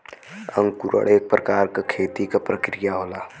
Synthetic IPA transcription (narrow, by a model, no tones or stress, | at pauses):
ə̰̃ŋɡkuɾə̰ɭeːk̚pɾəkaːɾkakʰeːt̪ikapɾəkɾɪjaɦoːlaː